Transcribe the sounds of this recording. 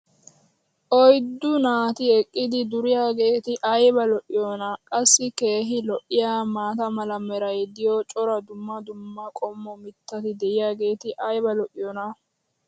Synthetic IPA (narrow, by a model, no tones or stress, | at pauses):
ʔɔjd̪ːʊnaːt̪ɪɛkʼːɪd̪ɪd̪ʊɾɪjaːɡe̞ːt̪ɪʔɐjbɐlɔʔɪjɔːnɐkʼɐsːɪke̞ːɦɪlɔʔːɪjaːmaːt̪ɐmɐlɐmɛɾɐjd̪ɪjɔt͡ʃʼɔɾɐd̪ʊmːɐd̪ʊmːɐkʼɔmːɔmɪt̪ːɐt̪ɪd̪ɛʔɪjaːɡe̞ːt̪ɪʔɐjbɐlɔʔɪjɔːnɐ